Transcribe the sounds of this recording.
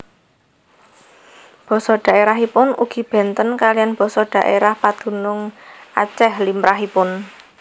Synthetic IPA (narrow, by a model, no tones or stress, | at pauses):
b̥ɔ̤sɔɖ̪̥ä̤ʔeɾaɦipʊnuɡ̥i̤b̥ɛ̤nt̪ənkalijanb̥ɔ̤sɔɖ̪̥a̤ʔeɾahpad̪̥ṳnʊŋʔat͡ʃɛhlimɾaɦipʊn